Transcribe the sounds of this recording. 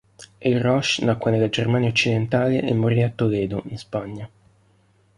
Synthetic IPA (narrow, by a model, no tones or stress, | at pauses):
ilrɔʃnakːwanelːad͡ʒermaːnjaot͡ʃːid̪ent̪aːleʔɛmːorːiat̪ːoleːd̪oʔinspaɲːa